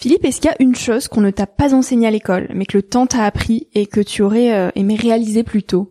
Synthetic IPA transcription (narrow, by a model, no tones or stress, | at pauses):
filipɛskʲiljaʔynʃozkɔ̃nət̪apazɑ̃seɲealekɔlmɛkələt̪ɑ̃t̪aːpχiekət̪ʰyɔʁɛøʔemɛʁealizeplyt̪o